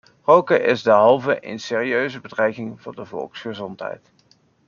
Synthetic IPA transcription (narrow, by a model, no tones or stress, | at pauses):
rowkəʔɪzdəɦɑlˠvəʔɪ̰nsɪːriøɥzəbədrɛjkɪŋvʊ̰ːɹdəvɔ̰lˠksχəzɔntɦɛ̰jt